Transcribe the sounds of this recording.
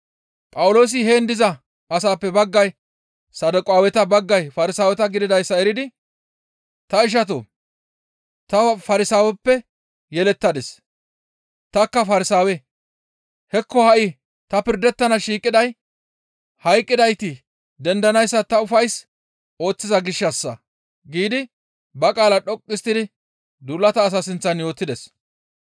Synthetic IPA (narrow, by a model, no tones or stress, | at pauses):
pʼɐwʊlo̞ːs̬ɪɦe̞ːnd̪ɪzɐ | ɐsaːpːɛbɐɡːɐj | sɐd̪ʊkʼʊaːwɛt̪ɐbɐɡːɐjfɐɾɪsaːwɛt̪ɐɡɪd̪ɪd̪ɐjsːɐɛɾɪd̪ɪ | t̪ɐɪʃ̬ɐt̪̬o̰ | t̪ɐfɐɾɪsaːwɛpːɛ | jɛlɛt̪ːɐd̪ɛs | t̪ɐkːɐfɐɾɪsaːwɛ | hɛkːɔhɐʔɪ | t̪ɐpɪɾd̪ɛt̪ːɐnɐʃiːkʼɪd̪ɐj | hɐjkʼːɪd̪ɐjt̪ɪ | d̪ɛnd̪ɐnɐjsːɐt̪ɐʊfɐjs | o̞ːt͡sːɪzɐɡɪʃːɐsːɐ | ɡiːd̪ɪ | bɐkʼaːlɐɗɔkʼːɪst̪ːɪd̪ɪ | d̪ulːɐt̪ɐːs̬ɐsɪnt͡sːɐnjo̞ːt̪ːɪd̪ɛs